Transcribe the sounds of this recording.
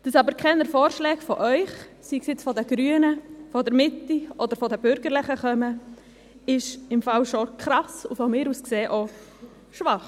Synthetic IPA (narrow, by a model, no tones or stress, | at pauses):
d̥əsɑbəɾkχɛnəɾfɔːɾʃlɛːɡfɔʔœʏχsiɡsɪt͡sfɔd̪ɛɡ̥ɾyːənəfɔdɛɾmɪt̪ːiʔɔd̥̪əɾfɔd̪ɛbʏɾɡəɾlɪχəχœmə | ɪʃɪmfalʃɔkʰɾasufɔmɪːɾuskseːʔo | ʃʋaχ